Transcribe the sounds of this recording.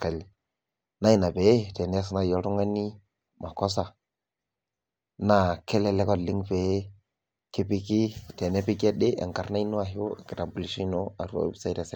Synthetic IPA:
ka˨li˨ | na˦i˦˨na˨pe˨˦te˨ne˦s̬na˦˨jo˦ɾu˦ŋa˦ni˦ | ma˨ko˦s̬a˨ | na˦ke˦le˦le˦kɔ˦li˦ŋpe˨˦ | ki˦pi˦ki˦te˨ne˦pi˦ɡe˦de˦ʔḛ˨ŋka˨ɾna˦i˦nu˦a˨ɦi˦o˦˨ki˨ta˨mbu˨li˨˦ʃi˦no˦a˨ɾu˦a̰˦bi˦sa˦˨ɾe˨s

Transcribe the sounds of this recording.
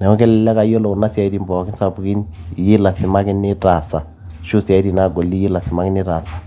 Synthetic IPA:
nɛ˨ɔ˦kɛ˦lɛ˨lɛ˦ka˨i˦ɔ˦lɔ˨ku˨na˦si˦a˨i˦ɾi˦˨mbɔ˨ki˦nsa˨pu˨ki˦ni˨ji˦la˨si˨ma˦kɛ˦nɛ˦ta˨sa˨ | ʃu˦si˨a˨i˦ɾi˨na˦˨ɡɔ˨li˦ji˦la˨si˨ma˦kɛ˦ni˦ɾa˨sḁ˨

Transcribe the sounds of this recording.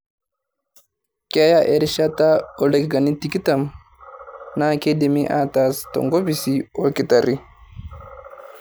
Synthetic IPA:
kɛ˦ja˦ʔe˨ɾiʃata˦o˨le˨ki˦ɡa˨ni˦tiki˦tam | na˦ke˦dimi˦ʔa˦tastɔ̰ŋɡo˦bi˦sio˨kitaɾi˦

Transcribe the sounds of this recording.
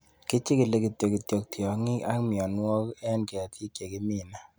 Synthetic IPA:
kɪ˦t͡ʃɪ˦ki˨le˦ki˨tjo˨ki˨tjo˨k̚tjɔ˨ŋɪ˦a̰˦kmɪ˨ɔ˨nwɔ˦kɛ˦nke˨a˨tʰi˦kːje˨ki˦mi˦˨na˦

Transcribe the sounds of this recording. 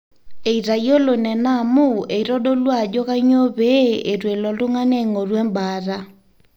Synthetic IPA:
e˨i˨ɾa˨jo˦lo˨nɛ˨na˦˨mu˦e˨i˨ɾɔ˦ɗo˦lwa˨d͡ʒɔ˦ka˦ɲo˦βe˦e˨ɾwe˨lɔ˨lʊ˦ŋa˦nɛ˦˨ŋo˨ɾwɛ˦mba˨˦ɾa˦

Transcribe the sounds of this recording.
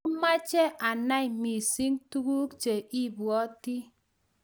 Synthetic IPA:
u˦ma˦t͡ʃe˦ʔa˨na˦i˨mi˨si˦ŋtu˦ɡu˦kt͡ʃe˨i˦bwɔ˦ti˦

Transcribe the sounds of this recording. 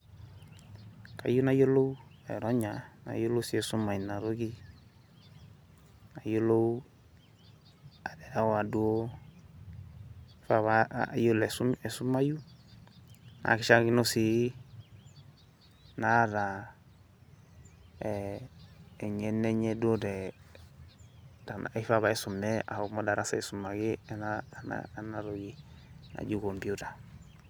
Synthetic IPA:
ka̰˨ju˦na˦jo˦lo˦u˦ḛ˨ɾɔ˦ɲa˨na̰˨jo˦lo˦si˦ɛ˨su˦ma˨i˨na˨ɾo˦ki˦ | na˨jo˦lo˦w | a˨dɛ˨a˦wa˨du˦o˦ | fa˨βa̰˨jo˦lɛ˨su˦mɛ˨su˦ma˦ju˦ | na̰˨ki˦ʃa˦ki˦no˦si˨ | na˦da˨ | ɲɛ˦nɛ˦ɲe˦do˦dɛ˨ | da˨na̰˨i˦fa˦˨βa˨e˦su˨mːɛ˦a̰˨hmo˦da˨ɾa˦sae˨su˨mːa˨ɡi˦nana̰na˦ɾo˨ɡi˨ | na̰˨ɟu˦ko˨mbi˦uta˨

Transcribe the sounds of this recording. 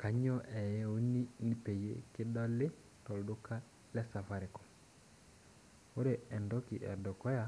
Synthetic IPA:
ka˨ɲɔ˦ʔɛ˨jɛ˦o˦ni˦ni˦pe˨jḛ˦kɪ˦dɔ˦lɪ˦ | tɔ˨ldo˦ka˦ | lɛ˦sa˨fa˦ɾɪ˨kɔ̥˨ | o˦ɾe˨ɛ˨ndɔ˦ki˨ʔɛ̰˨dɔ˨kɔ˦ja˦

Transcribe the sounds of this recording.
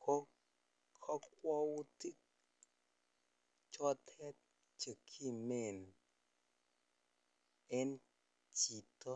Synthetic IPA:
kʰo˦ | kʰɔ˦kwɔ˦wu˦ti˦k̚ | t͡ʃɔ˦tʰɛ˦t̚ | t͡ʃə˨kʰi˦˨me˨n | ɛ˦n | t͡ʃi˨tɔ˦

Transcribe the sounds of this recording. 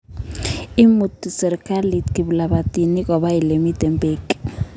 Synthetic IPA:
i˦mu˨tisɛ˨ɾɛkʼa˦li˨tʰi˨ɓu˨la˨ɓa˨d̥ʱʼi˨ni˦k̬ʼɔ˨ɓa˦ji˨le˨mi˦d̥ʱɛ˨mpʼeː˦kʼi̥

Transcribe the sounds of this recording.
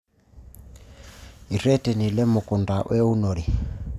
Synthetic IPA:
i˨ɾɛ˦tɛ˨ni˨lɛ˦mu˨ku˨nda˨ʔwʔɛ˦u˦nɔ˨li˨

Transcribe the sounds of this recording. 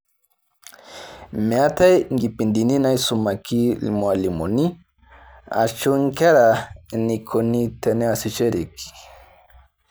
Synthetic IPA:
mea˦t̪a˦jŋɡi˨pi˨nd̪i˨ni˦na˦jsu˨ma˨ki˦lḭ˨moa˨li˨mo̰˨ni˦ | a̰t͡ʃu˦ŋka˦ɾani˨kʰo˧ni˧t̪ene˦asi˨t͡ʃe˦ɾi˨ki̥

